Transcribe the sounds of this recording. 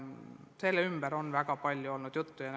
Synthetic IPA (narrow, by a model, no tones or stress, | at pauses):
selːymb̥æɾo̞nvækɑpɑlʲjuo̞lnud̪̥jut̪ːujɑn